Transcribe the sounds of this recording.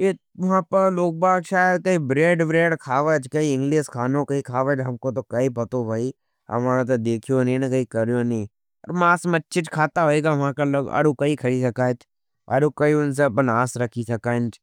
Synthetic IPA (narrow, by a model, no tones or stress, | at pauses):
eː | ʋʊɦãːpɐɾloːk̚baːkʃaːjd̪̚kɐĩːbɾeːɖbɾeːɖkʰaːʋət͡ʃʰkɐiɪ̃ŋɡliːskʰaːnõkɐikʰaːʋət͡ʃɦɐmkot̪okɐipɐt̪obʱɐiː | ɐ̰ʋãt̪̬ɐd̪eːkʰijonĩnɐkɐikɐɾijonĩː | ɐɾmaːsmɐtːt͡ʃʰɪt͡ʃkʰaːt̪aɦoeːɡaʋãkaloɐ̰ɽukɐikʰɐɽisɐkaːt͡ʃʰ | ɐ̰ɽukɐiʊns̬ebɐnaːsɾɐkʰisɐkaːɪnt͡ʃ